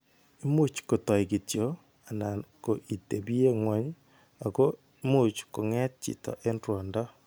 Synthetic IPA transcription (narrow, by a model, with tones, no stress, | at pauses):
i˦mu˦t͡ʃko˨tɔ˨iki˨tjo˦ | a˨na˨ko˨ʔi˨te˨bi˦e˦ŋwa˨˦ɲ | a˨ko˦ | i˦mu˦t͡ʃko˨ŋɛ˦t̚t͡ʃḭ˨tɔ̰˨ʔe˦ndwɔ˨ndɔ˦